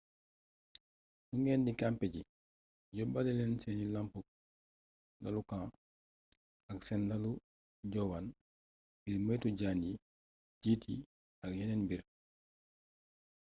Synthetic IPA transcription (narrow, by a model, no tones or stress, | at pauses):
nuŋɛːndikampɛɟi | ɟɔbadɛlɛnsɛnilampu | lalukãː | aksɛnlalu | ɟɔwan | biɾməjtuɟaːni | ɟiːti | akjɛnɛnbiɾ